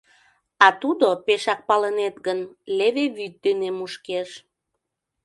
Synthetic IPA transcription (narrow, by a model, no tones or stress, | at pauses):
ɑt̪ud̪opeʃɑk̚pɑlənet̪ɡənleβeβyt̪̚d̪enemuʃkeʃ